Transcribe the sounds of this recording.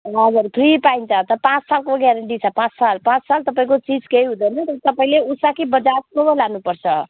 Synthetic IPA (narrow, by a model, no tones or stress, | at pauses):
ɦʌd͡zurpʰripaint͡sʰʌt̪ʌpãt͡ssalkoɡjaɾeɳʈit͡sʰʌpãt͡ssalpãt͡ssalt̪ʌpaĩkot͡sid͡zkeiɦũd̪ʌjnʌt̪ʌt̪ʌpaĩleusakibʌd͡zatkobʌlanupʌrt͡sʰʌ